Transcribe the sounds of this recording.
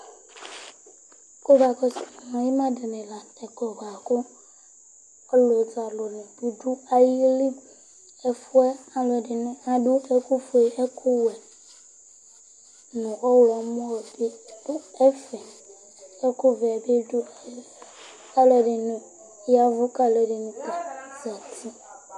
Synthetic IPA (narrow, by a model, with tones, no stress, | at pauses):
ko˦va˨kɔ˦si˨mã˨ji˦mã˦de˨nẽ˨la˨tɛ˨ɡɔ˨ɡa˨kʊ˦ | ɔ˦lo˨za˨lo˨nʊ̃˨du˨du˦a˦ji˦li˦ | ɛ˨fu˦ɛ˦a˨lɔ˨ɖɪ˨n˨a˨ɖu˦e˦ku˦fu˨e˨ɛ˦kʰʊ˦wɛ˨ | nʊ̃˨ʔɔ˦wlɔ˨˦mɔ̃˦wɛ˨be˦d̥ʊ˦ɛ˦fɛ˨ | ɛ˦kʊ˦vɛ˨ɛ˨be˦dʊ˦˨˦ | ka˦lɛ˨ɖɪ˨nʊ̃˨ | ja˦vʊ˦ka˦lɛ˨dɪ˨nũ˦ka˨za˨ti˦